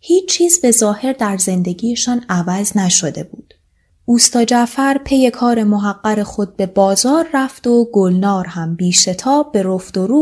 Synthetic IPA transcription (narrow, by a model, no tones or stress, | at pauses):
hiːt͡ʃt͡ʃʰːiːzbe̞zɒːhe̞ɾd̪æɾze̞nd̪e̞ɟiːjeʃɒːnævæznæʃo̞d̪e̞buːd̪̥ | ʔuːst̪ɒːd͡ʒæfæɾpʰe̞je̞kʰɒːɾe̞moɦæɢːæɾe̞xo̞d̪̚be̞bɒːzɒːɾːæft̪o̞ɡolnɒːɾhæmbiːʃe̞t̪ʰɒːbbːe̞ɾoft̪oɾuː